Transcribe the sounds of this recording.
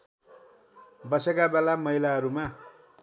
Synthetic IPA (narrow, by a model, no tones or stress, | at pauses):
bʌsekabelamʌilaɦʌɾuma